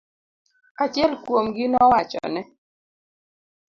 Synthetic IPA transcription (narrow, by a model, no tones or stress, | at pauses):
at͡ʃjɛlkwomɡinɔwat͡ʃɔ̰nɛ